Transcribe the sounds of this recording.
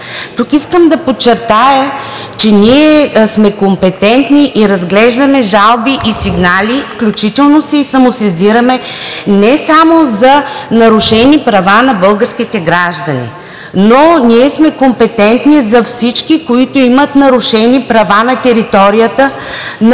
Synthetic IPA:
t̪ukiskəmd̪ɐpot͡ʃːɛɾt̪ajə | t͡ʃɛniɛsmɛkompɛt̪ɛnt̪niʔiɾɐzɡlɛʒd̪ɐmɛʒalˠbiʔisiɡnalʲifklʲut͡ʃit̪ɛlˠnosɛisɐmʊsɛziɾɐmɛnɛsamozɐnɐɾʊʃɛnipɾɐvanɐbɤlˠɡəɾskit̪ɛɡɾaʒd̪ɐnḭ | noniɛsmɛkompɛt̪ɛnt̪nizɐfsit͡ʃkikoit̪ʊimət̪nɐɾʊʃɛnipɾɐvanɐt̪ɛɾit̪ɔɾijət̪ə | n

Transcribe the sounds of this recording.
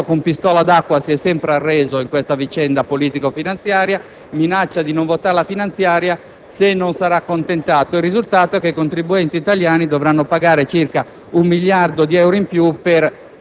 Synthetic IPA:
okompist̪ɔːlad̪akːwasiɛsːɛmpɾearːɛːzoiŋkwest̪avit͡ʃɛnd̪apoliːt̪ikofinant̪sjaːɾja | minat͡ʃːad̪inoɱvot̪aɾelafinant̪sjaːɾja | senːonsaɾakːont̪ent̪aːt̪oirːizult̪aːt̪oɛkːeikont̪ɾibuɛnt̪iːt̪aljaːnid̪ɔvɾanːopaɡaːɾet͡ʃirka | umːiljard̪od̪iɛwɾoimpjupɛɾ

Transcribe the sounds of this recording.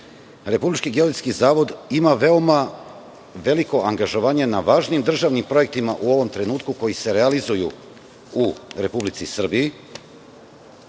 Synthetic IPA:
ɾe̞publit͡ʃkiɡeoɾit̪skizaːʋo̞d̪imaʋe̞oma | ʋe̞liko̞ʔaŋɡaʒo̞ʋaːɲe̞naʋaːʒniːmd̪r̩ʒaʋnimpɾo̞je̞k̚t̪imaʔuo̞ʋo̞mt̪ɾe̞nuːt̪kuko̞jise̞ɾealizujṵ | uɾe̞publit̪sisr̩bii

